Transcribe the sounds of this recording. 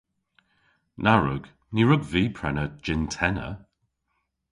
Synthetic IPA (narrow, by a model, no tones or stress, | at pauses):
nʔaɹʊ̰ɡ̥ | niɹʊɡviːpʰɹɛnəd͡ʒɪntʰɛnə̰